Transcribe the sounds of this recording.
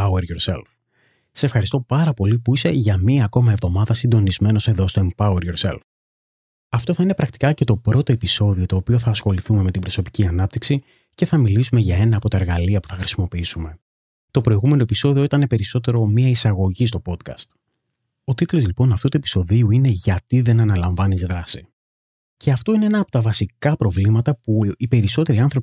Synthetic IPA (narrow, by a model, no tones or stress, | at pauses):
aeɾjo̞ɾse̞̰lf | sɐ̥se̞fxɐɾist̪o̞pɐɾɐpo̞lipuise̞ʝɐmiɐːko̞mɐe̞vðo̞mɐðɐsind̪o̞nizme̞no̞se̞ðo̞st̪oempɐweɾjo̞ɾse̞̰lf | ɐft̪o̞θɐine̞pɾɐk̚t̪i̥kɐce̞t̪o̞pɾo̞t̪o̞e̞piso̞ðio̞t̪o̞ːpio̞θɐːsxo̞liθume̞me̞t̪ibɾo̞so̞pi̥ciɐnɐp̚t̪iksi | ce̞θɐmilisume̞ʝɐe̞nɐːpo̞t̪ɐeɾɣɐliɐpu̥θɐxɾi̥simo̞piisume̞ | t̪o̞pɾo̞iɣume̞no̞episo̞ðio̞it̪ɐne̞pe̞ɾiso̞t̪e̞ɾo̞miɐisɐɣo̞ʝist̪o̞po̞t̪kɐ̰st̪̚ | o̞t̪it̪lo̞zlipo̞nɐft̪ut̪ue̞pi̥so̞ðiuine̞ʝɐt̪iðe̞nɐnɐlɐɱvɐnizðɾɐsi | ce̞ɐft̪o̞ine̞enɐːpo̞̥t̪ɐvɐsikɐpɾo̞vlimɐt̪ɐpuipe̞ɾiso̞t̪e̞ɾiɐnθɾo̞